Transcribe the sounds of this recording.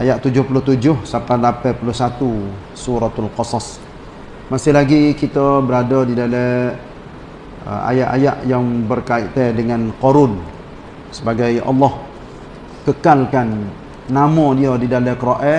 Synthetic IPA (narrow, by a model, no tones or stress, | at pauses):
ʔajaʔt̪ud͡ʒʊhpulʊt̪ud͡ʒʊhsapalapɛpulʊhsat̪u | suɾat̪alqɑsɑs | masɪlaɡikit̪əbəɾadədidalɛ | ə̰a̰jaʔa̰jaʔjaŋbərkaɪ̰ʔt̪ɛdəŋanqɔɾʊn | səbaɡajɑ̰lːɔh | kəkalkanː | amɔ̃diədidalɛkəɾɔʔɛ